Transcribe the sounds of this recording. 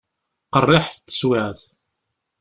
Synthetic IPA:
qərˤːɪħθt̪ːə̥swæʕθ

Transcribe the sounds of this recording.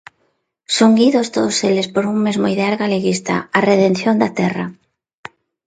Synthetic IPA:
soŋɡiðost̪oðoselespoɾuŋmezmoiðeaɾɣaleɣist̪a̰areðenθjond̪at̪ɛra̰

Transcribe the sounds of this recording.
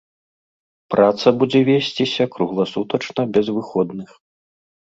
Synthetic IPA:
pɾat̪sɐbud͡zʲɛvʲesʲt͡sʲisʲɐkɾuɣlˠɐsut̪ɐt͡ʂnɐbʲɛzvɨxɔd̪nɨx

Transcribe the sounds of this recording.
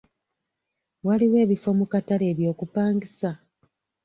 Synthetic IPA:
waliwe̞ːβifo̞mukatale̞ːβjo̞ːkupaːŋɡisa

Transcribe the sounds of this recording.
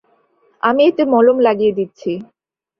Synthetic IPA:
amiet̪emɔlomlaɡijed̪itːɕʰi

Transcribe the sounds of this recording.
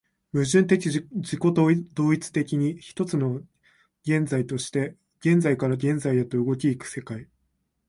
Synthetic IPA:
mɯ̟ʑɨ̃nt̪e̞kʲid͡ʑiko̞t̪d̪o̞ːit͡sɨ̥t̪e̞kʲiɲ̟içi̥t̪o̞t͡sɨno̞ | ɡ̥ẽ̞nd͡zait̪o̞ɕi̥t̪e̞ | ɡ̥ẽ̞nd͡zaikaɾaɡẽ̞nd͡zaijat̪o̞ɯ̟ɡo̞kʲiːkɯ̟̥se̞kai

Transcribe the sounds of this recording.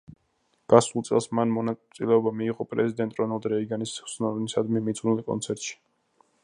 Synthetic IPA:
ɡ̥asulˠt̪sʼɛ̰lˠsmanmɔnasʼilɛɔbamiːʁʼɔpʼɾɛzid̪ɛnt̪ʼɾɔnɛlˠd̪ɾɛiɡanisɛsnɔnisad̪mimid̪zunilˠkʼɔ̰nt̪sʰɛɾt̪ʼʃi̥

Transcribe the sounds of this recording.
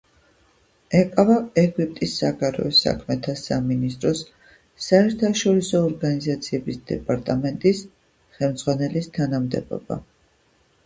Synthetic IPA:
ɛkʼavaɛɡwip̚ʼt̪ʼisːaɡaɾɛ̰ɔsa̰kʰmɛt̪ʰasaminist̪ʼɾɔsː | aɛɾt̪ʰaʃɔɾisɔːɾɡanizat̪sʰiɛbisd̪̥ɛ̰pʼaɾt̪ʼamɛnt̪ʼis | χɛlmd̪z̥ʁwanɛlist̪ʰanamd̪ɛ̰bɔ̰ba̰

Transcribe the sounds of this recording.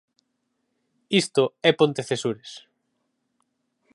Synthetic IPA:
ist̪oɛpont̪eθesuɾes

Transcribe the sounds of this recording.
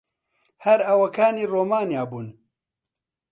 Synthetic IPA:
hɐɾɐwɐkaːniːroːmaːnjaːbuːn

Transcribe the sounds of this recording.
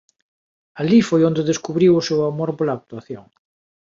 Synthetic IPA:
alifojond̪eðeskuβɾiwʊsewamoɾpolaːk̚t̪uaθjoŋ

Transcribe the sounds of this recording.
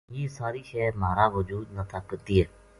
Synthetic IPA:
jeːsaːɾiːʃɛːmaːɾaːʋʊd͡ʒuːd̪nət̪ʰakːət̪iɦɛː

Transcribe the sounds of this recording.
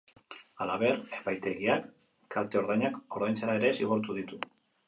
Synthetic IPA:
alaβe̞ɾepajt̪e̞ɣiakː | alt̪e̞o̞ɾðajɲako̞ɾðajnt͡saɾaeɾe̞siɣoɾt̪uðit̪u

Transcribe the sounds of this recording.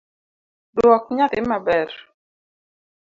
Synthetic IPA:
dwɔkɲat̪ɪmabɛɾ

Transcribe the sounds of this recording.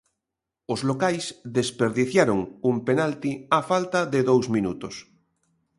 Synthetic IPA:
ozlokajsðespeɾðiθjaɾoŋumpenalt̪iafalt̪aðeðowzminut̪os

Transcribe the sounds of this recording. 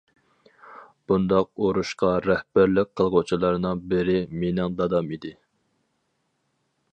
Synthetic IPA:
b̥und̪ɑq̚oɾuʃqɑɾɛhbæɾlɪk̚ʲqʰːəlˠʁot͡ʃʰilˠɑɾnɨŋbɪɾɪmenɪŋd̪ɑd̪ɑmid̪ɪ

